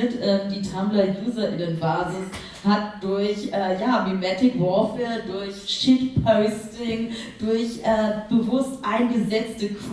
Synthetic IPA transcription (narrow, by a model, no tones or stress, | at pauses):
ətʔɛːmdiːtʰamlɐjuːzɐʔɪnənvaːɐzɪn | hat̚d̥ʊɐçʔɛːjaːbemɛtɪkvɔɐfədʊɐçʃiːtpʰɔʊstɪŋd̥ʊɐçʔɛːb̥əvʊstʔaɪnɡəzɛt͡stək